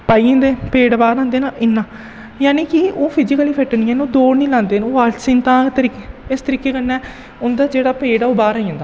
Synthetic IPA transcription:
paːiẽːnd̪eːpeːɽbaːɾãːnd̪eːnaːʔɪnːãː | jaːniːkɪoːpʰɪd͡ʒɪkəliːpʰɛʈənĩːɛ̃ːnoːd̪oːɾnĩːlãːnd̪eːnoːʋaːlsĩːnt̪ãːt̪əɾiːkeɪst̪əɾiːkeːkənːɛː | ʊnd̪aːd͡ʒeːɽaːpeːɽɛːoːbaːɾaːiãːnd̪aː

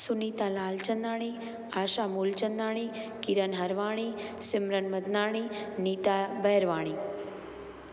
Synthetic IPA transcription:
suniːt̪alaːlt͡ʃənd̪aːɽ̃i | aːʃamuːlt͡ʃənd̪aːɽ̃iːkiɾənɦɐɾʋaːɽ̃isɪmɾənməd̪naːɽ̃iniːt̪abəjɾʋaːɽ̃i

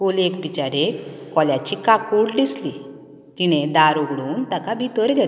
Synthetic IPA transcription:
kolekbit͡ɕaɾekːɔljat͡ɕikakuɽɖisli | t̪iñed̪aɾoɡɽuːnt̪akabit̪əɾɡʱɛt̪

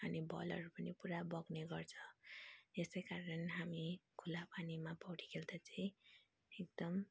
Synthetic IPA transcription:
ʌnibʱʌ̰lʌ̰ɾupʌnipuɾabʌɡneɡʌrt͡sʰʌ | esʌjkaɾʌnɦamikʰulapanimapʌwʈi̥kʰeld̪at͡saĩ | ek̚d̪̥ʌm

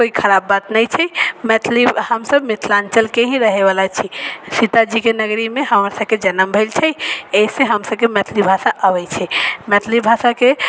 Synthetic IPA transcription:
koikʰəɾabːat̪nəjt͡ʃʰɛmɛt̪ʰlihəmsəbmet̪ʰlãnt͡ʃəlkeɦiɾəɦeβalat͡ʃʰisit̪ad͡ʒikenəɡɾimeɦəməɾsəbked͡ʒənəmbʱəlt͡ʃʰɛeisẽɦəmsəb̚kemɛt̪ʰlibʱasaʔəβɛjt͡ʃʰɛmɛt̪ʰlibʱasake

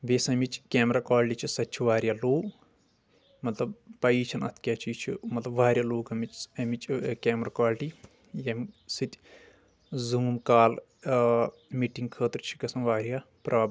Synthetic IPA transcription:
ʋeːsɐmit͡ʃʰkʲeːmɾaːkaːlʈit͡ʃʰisɐtːt͡ʃʰiʋaːɾjaːloːk | mɐt̪lɐbpɐiːt͡ʃʰɐnɐ̰t̪ʰkʲaːt͡ʃʰit͡ʃʰḭmɐt̪lɐbʋaːɾjaːloːkɐmit͡ʃɐmit͡ʃkeːmɾaːkaːlʈi | jɐmsɨt̪ʲ | zuːmkaːl | miːʈiŋɡkʰəːt̪ɾt͡ʃʰi̥kɐsɐnʋaːɾjaː | pɾʔaːb

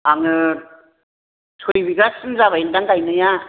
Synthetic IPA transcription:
aŋɯ | tʰojbiɡasɯnzaβaildaŋkajnɯja

